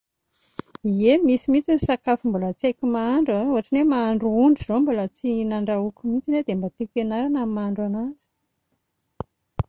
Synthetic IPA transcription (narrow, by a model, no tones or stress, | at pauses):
iemisimit͡sinisakafimbulət͡sekʲimaaɳɖ͡ʐəuɦaʈ͡ʂinemaːɳɖ͡ʐuuɳɖ͡ʐizombulət͡sinaɳɖ͡ʐaukumit͡sined̪embat̪ikʲenaɾanamimaɳɖ͡ʐanazi̥